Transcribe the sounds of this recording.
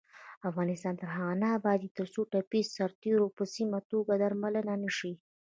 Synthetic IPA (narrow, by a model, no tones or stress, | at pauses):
afɣɑnɪst̪ɑnt̪əɾɦaɣanaːbɑd̪it̪əɾsoʈapizsaɾt̪eɾopəsimat̪oɡad̪aɾmalənanəʃi